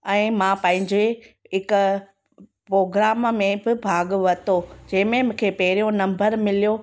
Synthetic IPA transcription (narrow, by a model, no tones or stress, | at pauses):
ɛ̃ːmãpɐ̃ɦɪ̃ɲd͡ʑe | ɦɪk | pɾoːɡɾaːmmẽbɪbʱaːɡʋɐt̪od͡ʑɐ̃ɦɪ̃mẽmʊ̃ːkʰeːpɐɦɪɾijõnɐ̃mbəɾmɪlijo